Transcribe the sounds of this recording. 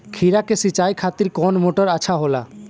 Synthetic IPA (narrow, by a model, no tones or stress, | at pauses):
kʰiɾakesit͡ʃajkʰat̪iɾkɔnmoʈɔɾat͡ʃʰaɦola̰